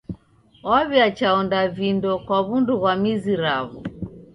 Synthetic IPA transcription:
ɔβjat͡ʃaɔndavindɔkwaβunduɣwamiziɾaβu

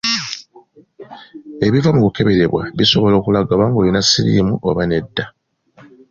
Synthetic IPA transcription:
e̞βivaŋɡoke̞βe̞ɾe̞βwa̰βiso̞βo̞lo̞ːkulaɡaβaŋɡo̞ːlinasiɾḭːmuʔo̰βane̞dːa

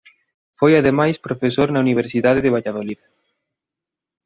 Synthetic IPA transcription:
fojaðemajspɾofesoɾnauniβ̞eɾsiðaðeðeβaʎaðolið

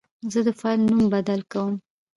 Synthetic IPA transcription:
zəd̪əfɑlnumbad̪alkawəm

